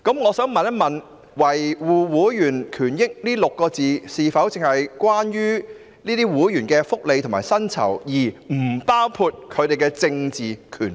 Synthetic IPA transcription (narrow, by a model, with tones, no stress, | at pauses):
kɐ˨˥mŋɔː˨˧sœː˨˥ŋmɐ˨nɐ˥mɐ˨n | wɐ˨˩jwuː˨˩wuː˨˥jyː˨˩nkʰyː˨˩njɪ˥k̚niː˥lʊ˨kːɔː˧t͡siː˨siː˨fɐ˨˥wt͡sɪ˨ŋhɐ˨jkwaː˥njyː˥ | niː˥t̪iː˥wuː˨˥jyː˨˩nkɛː˧fʊ˥k̚le˨˧tʰʊ˨ŋmaː˨˩jsɐ˥nt͡sʰɐ̰˨˩wjiː˨˩m̩˨˩paː˥wkʰuː˧t̚kʰɵ˨˧ɥt̪e˨jkɛː˧t͡sɪ˧ŋt͡siː˨kʰy̰ː˨˩n